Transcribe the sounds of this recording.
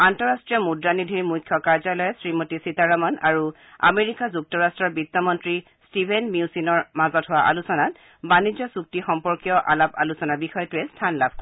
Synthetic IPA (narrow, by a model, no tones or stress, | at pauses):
antɔɹastɹijɔmudɹanidʱiɹmujt̚kʰːɔkaɹzalɔjɛsɹimotisitaɹamɔna̰ɹu | a̰meɹikazuk̚tɔɹastɹɔɹbitːɔmɔntɹi | stibʱenmjiusinɔɹmazɔtɦʊwaʔa̰lusɔnat | banizɔsuk̚tixɔmpɔɹkijɔʔalapa̰lusɔnaɹbixɔjɔtʊɛstʰanlab̚ʱk